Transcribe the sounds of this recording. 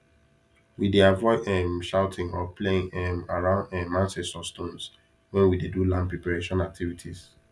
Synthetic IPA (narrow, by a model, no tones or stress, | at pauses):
wideavɔɪɛ̃mʃaʊtʰɪ̃ŋɔpʰleɪ̃ŋɛmaɹãʊ̃ndɛ̃mãnsɛsɔstõns | wɛ̃nwidedulãmpɹepaɹeʃɔ̃nak̚tʰivitʰis